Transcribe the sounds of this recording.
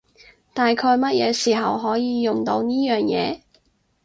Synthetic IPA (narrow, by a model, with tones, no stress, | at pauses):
t̪aː˨jkʰɔː˧jmɐ˥t̚jɛː˨˧siː˨˩ɦɐ˨˩wɦɔː˨˥jiː˨˧jʊ˨˩ŋt̪o˧wniː˥jœː˨ŋjɛ̰ː˨˧